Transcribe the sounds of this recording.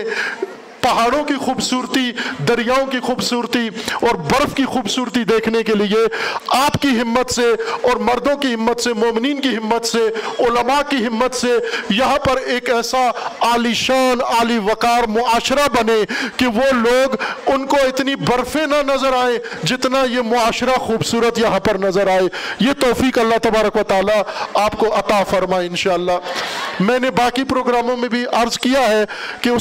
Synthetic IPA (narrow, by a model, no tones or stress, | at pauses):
pɐɦaːɽõkixuːbsuːɾt̪id̪ɐɾijaːõkixuːbsuːɾt̪iɔːɾbɐɾfkixuːbsuːɾt̪id̪eːkʰnekelieaːpkiɦɪmːət̪seɔːɾmɐɾd̪õkiɦɪmːət̪semoːmɪniːnkiɦɪmːət̪seʊləmakiɦɪmːət̪sejɐɦãpɐɾeːkɛːsaaːliʃaːnaːliʋɐkaːɾmʊaːʃɾabɐnẽkeʋoloːɡʊnkoɪt̪nibɐɾfẽnanɐzəɾaːẽd͡ʒɪt̪najemʊaːʃɾaxuːbsuːɾət̪jɐɦãpɐɾnɐzəɾaːeːjet̪ɔːfiːkɐlːat̪ɐbaːɾəkʋɐt̪aːlaaːp̚koɐt̪afɐɾmaːeɪ̃nʃaːlːaːmɛ̃ːnebaːkipɾoːɡɾaːmõmẽbʱiʔɐɾzkijaɦɛkeʊ